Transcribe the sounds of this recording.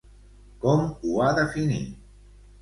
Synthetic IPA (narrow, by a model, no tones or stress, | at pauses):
komuaðafinḭ